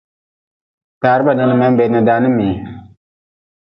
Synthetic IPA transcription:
taː˨ɾɨ˦ba˨nɨ˨ŋɨ˦ma˦m˦bɛ˨nɨ˨daː˦nɨ˦miː˨

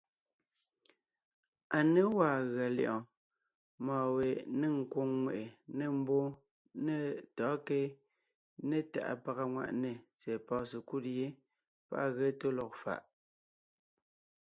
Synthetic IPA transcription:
a˨ne˦waː˨ɣɰa˨lḭ˨ʔɔ̃˨ | mɔː˨we˨ʔne˦˨ŋ̩˨kwo˦ŋːwḛ˨ʔe˨ne˨m̩˦bo˦ | ne˦tɔː˨˦ke˦ | ne˦˨ta̰˨ʔa̰˨pa˨ɣa˨ŋwa̰˨ʔne˨t͡sɛ˨pɔː˨˦se˨ku˦˨tje˦ | pa̰˦ʔa˦˨ɣe˦to˦lɔ˨k̚fa̰˨ʔ

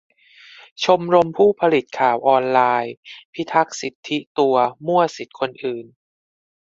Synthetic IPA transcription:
t͡ɕʰo˧mɾo˧mpʰuː˥˩pʰa˧li˨˩t̪̚kʰaː˨˩˦wʔɔː˧nlaː˧jpʰi˦˥t̪ʰa˦˥k̚si˨˩t̪ʰːi˦˥t̪u˧ɐmu˥˩ɐsi˨˩t̪̚kʰo˧nʔɯː˨˩n

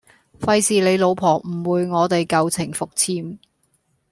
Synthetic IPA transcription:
fɐ˧jsiː˨le˨˧jlo˨˧wpʰɔː˨˩ŋm̩˨˩wuː˨˧jŋɔː˨˧t̪e˨jkɐ˨wt͡sʰɪ˨˩ŋfʊ˨k̚t͡sʰiː˧m

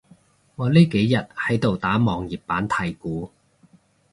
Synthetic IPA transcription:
ŋɔː˨˧liː˥ke˨˥jːɐ˨t̚hɐ˨˥jt̪o˨wt̪aː˨˥mɔː˨˧ŋjiː˨˩p̚paː˨˥nt̪ʰɐ˨˩jkuː˨˥

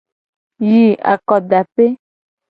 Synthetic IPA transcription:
ji˨a̰˨kɔ˨ɖa˨pe˦

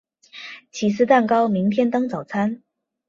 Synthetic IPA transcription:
t͡ɕʰi˨˩sɹ̩˥˧t̪a˥˩nkɑ˥ʊmi˧˥ŋt̪ʰjɛ˥nt̪ɤ˥ŋt͡sɑ˨˩ʊt͡sʰa˥n

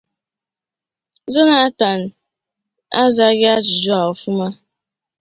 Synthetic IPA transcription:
zo˦na˨a˦ta˨n̩˨ | a˦za˨˦ɡɪ˦a˦d͡ʒʊ˨d͡ʒu˦a˨ʊ˨fʊ˦ma˦

